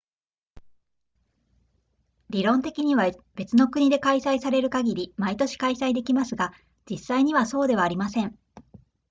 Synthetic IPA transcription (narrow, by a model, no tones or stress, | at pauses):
ɾʲiɾõ̞nt̪e̞kʲiɲ̟iβab̥e̞t͡sɨno̞kɯɲ̟id̪e̞kaisaisaɾe̞ɾɯ̟kaɡʲiɾʲimait̪o̞ɕi̥kaisaid̪e̞kʲimasɨɡa | d͡ʑisːaiɲ̟iβaso̞ːd̪e̞β̞aːɾʲimasẽ̞ŋ